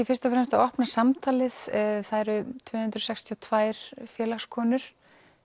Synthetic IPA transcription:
ɪfɪ̥st̪afɾɛmst̪aðɔhpnasamt̪ʰaːlɪðθaðɛɾʏt̪ʰvʏːhʏnt̪ɾʏɔsɛxst̪ʰiɔt̪ʰvaːjɾ̥fjɛːlaxskʰɔːnʏɾ̥

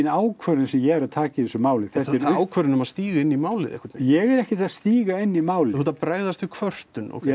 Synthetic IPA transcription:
naːwkʰvœɾɪnsɛmjɛɛɾaðt̪ʰaːcɪθɛsʏmaːwlɪθɛt̪ɛɾaːwkʰvœɾɪnʏmaðst̪iːɣaɪnːimaːwlɪ̰ðɛ̰hkaɾt̪njɛɣɛɾɛhcɪast̪iːɣaɪnːimaːwlɪut̪apɾaːjðast̪ɪkʰvœr̥t̪ʏnɔ̰ɣk

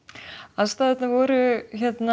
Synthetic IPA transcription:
aðst̪aːðɛt̪navɔɾʏçɛt̪na

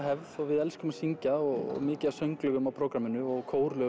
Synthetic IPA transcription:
ɦɛvðɔɣvɪðɛlskʏmasiɲcaɔɣɔ̰ɣmɪːcɪðasœɥŋklœɣʏmawpʰɾowkɾamɪnʏɔɣkʰoːwɾlœ

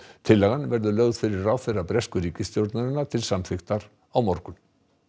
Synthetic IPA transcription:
t̪ʰɪlːɛɣanvɛɾðʏlœːɣðfɪɾɪɾaːwfɪrːapɾɛskʏɾiːcɪst̪jowɾt̪naɾɪnːat̪ʰɪlsamfɪxt̪aɾ | awmɔɾkʏn

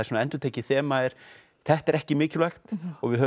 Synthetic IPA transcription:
asɛmaɛnt̪ʏɾt̪ʰeːjcɪθɛːmaɛɾ̥ | θɛht̪ɛɾɛhcɪmɪːcʏlɛxt̪ɔɣvɪðɦœː

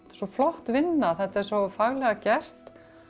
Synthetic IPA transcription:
sɔflɔht̪vɪnːaθɛt̪aɛɾ̥sɔfaɣlɛɣacɛr̥t̪

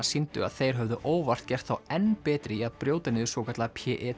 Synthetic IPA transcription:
sint̪ʏ̰a̰ðθejɾ̥ɦœvðʏʔoːwvar̥t̪̚cɛr̥t̪θawɛnːpɛːt̪ɾɪiaðpɾjoːwt̪ɪnɪðʏsvowkʰat̪lapʰɛʔɛ

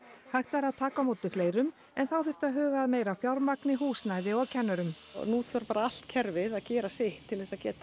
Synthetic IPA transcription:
hajxt̪vɛːɾaðt̪ʰaːkamoːwt̪ʏfleːjɾʏm | ɛnθawθɪr̥t̪aðɦœːɣaːðmeːjɾafjawɾmaknɪɦuːsnajðɪɔɣcʰɛnːʏɾʏm̰nuːθaɾpaːɾaal̥t̪cʰɛɾvɪðaðcɛːɾasɪht̪ʰːɪlθɛsaðcɛ̰ːt̪a

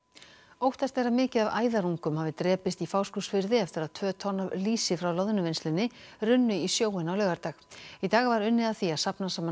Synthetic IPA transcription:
owht̪ast̪ɛjrːamɪːcɪðava̰ːjðaɾuŋkʏmhaːvɪt̪ɾɛːpɪst̪ifaːwskusfɪɾðɪɛft̪ɪɾaðt̪ʰvœːt̪ʰɔnːavliːsɪfɾawlɔwðʏnʏvenslɪnːɪrʏnːʏisjoːwɪnawlœːɣaɾt̪aːxit̪aːɣvaɾʏnːɪðaθiaðsapnasaːm

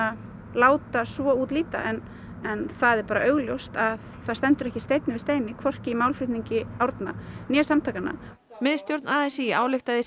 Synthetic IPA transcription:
a | laːwt̪asvɔuːt̪liːt̪a̰ʔɛn | ɛnθaðɛɾpaːɾaʔœɥɣljowst̪aðθaðst̪ɛnt̪ʏɾɛhcɪst̪ejt̪nɪvɪst̪ejnɪkʰɔr̥cɪimaːwlfɾʏht̪niɲcɪawɾt̪na̰njɛsamt̪ʰaːkanːa̰ | mɪðst̪jowɾt̪naːɛsiaːwlɪxt̪aðɪ

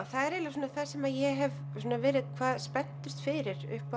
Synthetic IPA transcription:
θaðɛɾɛlasɔːnaθasɛmajɛɦɛv | sɔːnavɪːɾɪðkʰvaːðspɛnt̪ʏst̪fɪɾɪɾʏ̰hpa

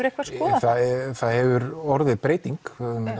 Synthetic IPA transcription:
ʏɾɛhkvaskɔːaθaðɛθaðhɛvʏɾɔɾðɪðpɾeːjt̪iŋk

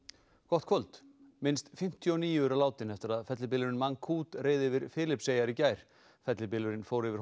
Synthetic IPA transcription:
kʰɔht̪̚kʰvɔlt̪mɪnst̪fɪm̥t̪ʰjɔniːjʏʏɾalaːwt̪ɪnɛft̪ɪɾaðfɛt̪lɪp̬ɪlʏɾɪnmaŋkʰuːt̪reːjðɪvɪɾfɪːlɪpseːjaɾɪcaːjɾ̥ | fɛt̪lɪpɪlʏɾɪnfoːwɾɪvɪɾ

